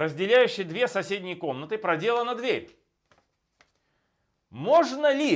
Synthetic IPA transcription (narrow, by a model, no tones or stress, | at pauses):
ɾəzʲdʲɪlʲæjʉɕːɪjd̪vʲe̞sɐsʲedʲnʲɪjko̞mnət̪ɨpɾɐdʲe̞lˠənɐd̪vʲeɾʲ | moʐnəlʲi